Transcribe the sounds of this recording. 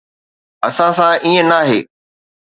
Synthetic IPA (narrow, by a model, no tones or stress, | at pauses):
ɐsãsãʔiːẽnaːɦḛː